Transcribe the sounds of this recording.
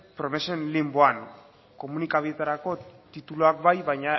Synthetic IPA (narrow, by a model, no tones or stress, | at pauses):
pɾo̞me̞se̞nlimboaŋ | ko̞munikaβie̞t̪aɾako̞t̪it̪uloak̚bajβaɲa